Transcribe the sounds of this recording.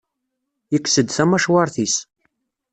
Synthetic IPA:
jəkːsəd̪θæmæʃwɑɾˤθis

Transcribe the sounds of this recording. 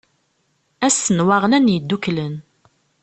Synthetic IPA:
æsːənwaʁlænjəd̪ːuklən

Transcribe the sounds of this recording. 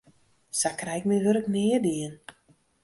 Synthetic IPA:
sakrɛjk̚miʋøɾəknɪːədiən

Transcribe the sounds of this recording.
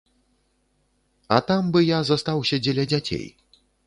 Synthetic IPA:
ɐ̰t̪ambɨjazast̪awsʲɐd͡zʲɛlʲɐd͡zʲat͡sʲḛj

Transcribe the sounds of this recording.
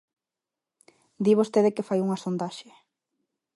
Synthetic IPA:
d̪iβ̞ost̪eðekɪfajuŋasond̪aʃe

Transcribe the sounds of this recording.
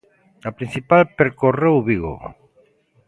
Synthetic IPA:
apɾinθipalpeɾkorewβiɣo̰

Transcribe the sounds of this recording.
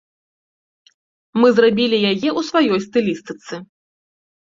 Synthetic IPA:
mɨzrabʲilʲijajɛʔusvajɔjst̪ɨlʲist̪ɨt̪sɨ

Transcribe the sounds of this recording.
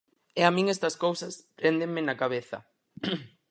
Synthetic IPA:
ɛamĩŋest̪ɐskowsɐspɾend̪eŋmɪnakaβeθɐ̰

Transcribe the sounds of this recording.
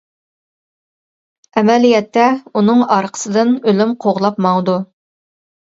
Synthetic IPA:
ɛmɛlijɛt̪ːɛunɨŋɑɾqʰə̥sɨd̪ɨnølymqʰoʁlˠɑpmɑwd̪u

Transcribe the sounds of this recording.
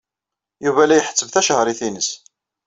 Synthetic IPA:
juvælæjəħə̥t͡sːəvθæʃhɾˤiθinəs

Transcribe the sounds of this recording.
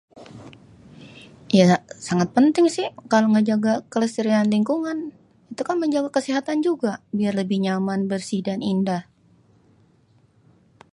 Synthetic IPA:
jasaŋat̪̚pənt̪ɪŋsɪhkaloŋəd͡ʒaɡakələst̪əɾianliŋkuŋan | it̪ukanməɲd͡ʒaɡakəsiɦat̪and͡ʒuɡabiarləbɪhɲamanbərsidanindah

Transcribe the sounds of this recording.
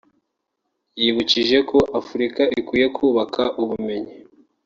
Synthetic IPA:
jiβuciʒe̞ko̞ʔafuɾikaikwiːje̞kʰuːβakʰaʔuβume̞ɲi

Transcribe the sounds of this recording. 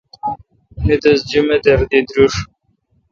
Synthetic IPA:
nid̪ɐsd͡ʑumed̪ɐɾd̪id̪ɾuʂ

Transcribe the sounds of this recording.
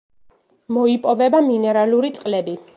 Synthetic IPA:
mɔipʼɔvɛbaminɛɾaluɾit̪sʼqʼlɛbi

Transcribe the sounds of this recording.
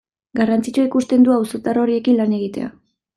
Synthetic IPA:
ɡarant͡sit͡ʃuikust̪e̞nd̪uawsot̪aro̞ɾie̞kinlane̞ɣit̪e̞̰a̰

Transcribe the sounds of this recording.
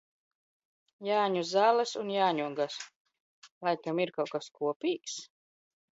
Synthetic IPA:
jaːɲuzaːlˠasunjaːɲuɔɡas | lˠajk̪amiɾkawkaskuɔpʲiːks

